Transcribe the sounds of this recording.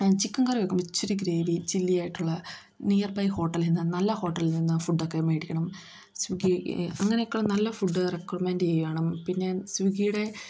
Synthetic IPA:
t͡ɕikːɐŋɡɐrijokːɐmit͡ɕːuɾiɡɾe̞ːʋit͡ɕilːijaːjiʈːuɭːɐ | nijɐrbɐjho̞ːʈːɐlninːɨnɐlːɐho̞ːʈːɐlninːɨfuɖːokːemeːɽikʲːɐɳɐm | sʋiɡiɐŋːɐnejokːuɭːɐnɐlːɐfuɖːɨrekːormeːndt͡ɕejuʋeːɳɐmpinːe̞sʋiɡijuɽe̞

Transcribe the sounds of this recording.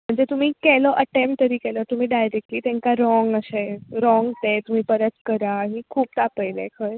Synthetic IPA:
m̤əɳd͡zet̪um̤iːkɛlɔʔəʈempʈt̪əɾiːkɛlɔt̪um̤iːɖajɾek̚ʈliːt̪ɛ̃ŋkaɾɔŋɡəɕeɾɔŋɡt̪et̪um̤iːpəɾət̪kəɾaɦĩkʰuːp̚t̪apəjlḛkʰəɾ

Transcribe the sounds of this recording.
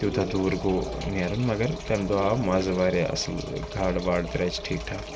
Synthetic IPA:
t̪ud̪ʰaːd̪uːɾɡoːniaɾunmɐɡəɾk̪ɐnd̪oaːmaːzɐʋaːɾeɐ̰səlɡʱaːɽʋaːɽt̪ɾɛːt͡ʃʈʰiːkʈʰaː

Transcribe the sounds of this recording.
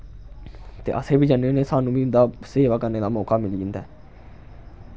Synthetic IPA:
t̪ḛːʔə̰seːbiːd͡ʒanːeneːsaːnũːbiːd̪aːseːʋaːkəɾneːd̪aːmoːkaːmɪlid͡ʒɪ̃nd̪a̰ː

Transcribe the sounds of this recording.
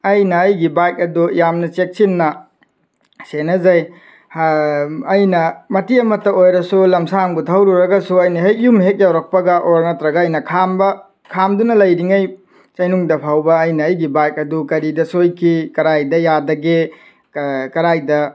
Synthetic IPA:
ɐjnɐːjɡibajk̚ɐdujamnɐt͡ʃek̚sinːɐ | senɐzɐj | hː | jnɐmɐtiɐmɐtːɐojɾɐsulɐmsaŋɡutʰawɾuɾɐɡɐsuɐjnɐɦejjumɦek̚jawɾɐk̚pɐɡɐʔoɾ̚nɐtɾɐɡɐːjnɐkʰambɐ | kʰamdunɐlɐjɾiŋɐj | t͡ʃɐjnuŋdɐpʰawbɐːjnɐːjɡibajk̚ɐdukɐɾidɐsojkʰikɐɾajdɐjadɐɡe | kɐɾajdɐ

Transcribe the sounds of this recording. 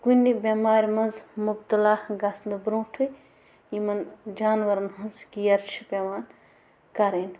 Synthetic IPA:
kunibʲɐmaːɾʲmɐnzmubt̪ɐlaːɡasnd̪ɨbɾũːʈʰuj | imɐnd͡ʒaːnʋɐɾɐnɦɐnskijɐɾt͡ʃʰi̥pʲeʋaːn | kɐɾen

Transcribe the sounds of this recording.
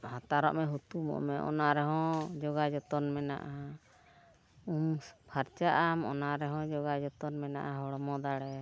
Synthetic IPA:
hat̪aɾɔ̰ʔmɛɦut̪umɔ̰ʔmɛʔɔ̰naɾɛɦɔ̃d͡ʒɔɡad͡ʒɔt̪ɔnmɛna̰ʔa | umpʰaɾt͡ʃaʔamɔnaɾɛɦɔ̃d͡ʒɔɡad͡ʒɔt̪ɔnmɛnaʔaɦɔɽɔmɔd̪aɽɛ

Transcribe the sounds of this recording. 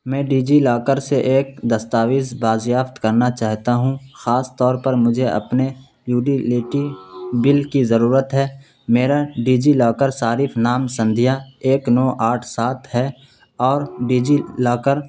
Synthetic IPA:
mɛ̃ːɖiːd͡ʒilaːkəɾseʔeːk̚d̪ɐst̪aːʋɪsbaːd͡ʒjaːft̪kɐɾnat͡ʃaːɦt̪aɦũxaːst̪ɔːɾpəɾmʊd͡ʒʱeɐ̰pne | jjuːɖileːʈibɪlkizəɾuːɾət̪ɦɛː | meːɾaɖiːd͡ʒilaːkəɾsaːɾipʰnaːmsə̃nd̪ʱijaeːknɔːʔaːʈʰsaːt̪ɦɛ | ɔːɾɖiːd͡ʒilaːkəɾ

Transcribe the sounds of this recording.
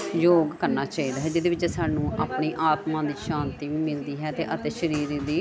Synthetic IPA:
joːɡkəɾnaːt͡ʃaːiːd̪aːɦɛːd͡ʒɪd̪eːʋɪt͡ʃːsaːnũːʔaːpɳiːʔaːt̪mãːd̪iːʃãːnt̪iːʋiːmɪld̪iːɦɛːt̪eːʔət̪eːʃəɾiːɾd̪iː

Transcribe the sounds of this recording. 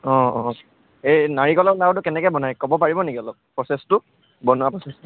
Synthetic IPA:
ɔ̃ɔ̃ | ejnaɹikɔlɔlawtʊkɛnɛkɛjbɔnajkɔbɔpaɹibɔnekiɔlɔb̚pɹɔsɛstʊ | bɔnʊapɹɔsɛstʊ

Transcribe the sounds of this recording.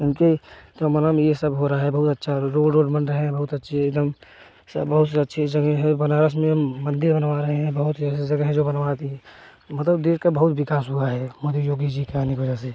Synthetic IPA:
ɪnket̪omənəmjesəbɦoɾaɦaɦɛbɐɦʊt̪ɐtːʃʰaɾoːɖɾoːɖbə̃nɖɾəɦeɦɛ̃bɐɦʊt̪ɐtːʃʰeed̪əm | sbɐɦʊt̪seɐtːʃʰed͡ʒəɡəɦɛ̃bɐnaːɾəsmẽmə̃nd̪ɪɾbənʋaɾɐɦẽɦɛ̃bəɦʊt̪sd͡ʒɐɡəɦɛ̃d͡ʒobənʋat̪iɦɛ̃ | mət̪ləbd̪eːskabɐɦʊt̪ʋɪkaːsɦuaɦɛmoːd̪ijoːɡid͡ʒikaːnikʋəd͡ʒaːse

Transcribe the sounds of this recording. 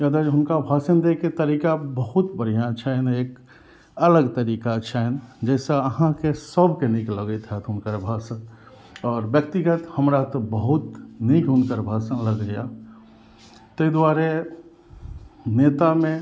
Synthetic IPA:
jəd̪eɦʊnkabʱaːsənd̪eket̪əɾiːkabəɦʊt̪bəɽ̤ijat͡ʃʰɛneːk | ələɡt̪əɾiːkat͡ʃʰɛnd͡ʒɛːseəɦãkesəbʱkenikləɡət̪ɦɛt̪ɦʊnkəɾbʱaːsən | ɔːɾbjək̚t̪iɡət̪həmɾat̪obəɦʊt̪nikɦʊnkəɾbʱaːsənləɡɡəja | t̪əid̪waːɾe | neːt̪amẽ

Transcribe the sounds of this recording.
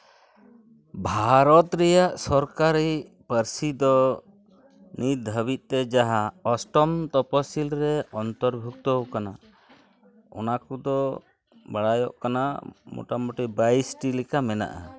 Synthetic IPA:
bʱaɾɔt̪ɾɛjaʔsɔɾkaɾipəɾsid̪ɔ | nit̪̚əbit̪̚ˀt̪ɛd͡ʒaɦaɔsʈɔmt̪ɔpɔsilɾɛɔnt̪ɔɾbʱuk̚t̪ɔkana | ɔ̰nakud̪ɔ | baɽajɔ̰ʔkana̰mo̰ʈamoʈibajsʈilɛkamɛna̰ʔa

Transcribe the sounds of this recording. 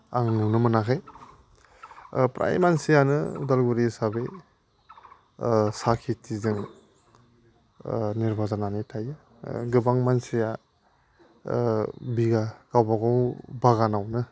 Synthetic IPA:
aŋnunɯmɯnakʰaj | pɾʔa̰jmansijanɯudalɡuɾisabe | sakʰitʰizɯŋ | niɾbazananitʰajɯ | ɡɯbaŋmansija | biɡakawbaɡɔwbaɣanawnɯ

